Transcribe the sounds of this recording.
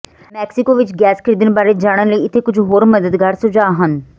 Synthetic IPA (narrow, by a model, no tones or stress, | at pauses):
mɛːksɪkoːʋɪt͡ʃɡɛːskʰəɾiːd̪ənbaːɾeːd͡ʒaːɽ̃ənləiːɪt̪ʰːeːkʊd͡ʒʱɦoːɾməd̪əd̪ɡaːɾsʊd͡ʒaːɦən